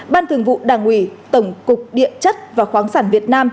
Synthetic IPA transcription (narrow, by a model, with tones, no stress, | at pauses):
ɓaː˧nt̪ʰəŋvṵ˧˨ɗaː˨˧˩ŋwi˧˩t̪ə˧˩wŋ͡mkʊ˨˩k͡p̚ɗḭ˧˨ənt͡ɕə˦˥t̚vaː˨˩xwaː˨˦ŋsaː˧˩nvi˨˩ət̚naː˧m